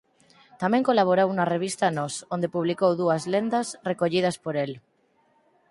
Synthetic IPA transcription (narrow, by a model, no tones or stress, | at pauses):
t̪amẽŋkolaβ̞oɾowunareβ̞ist̪anosõnd̪epuβlikowðuazlend̪asrekoʎið̞aspoɾel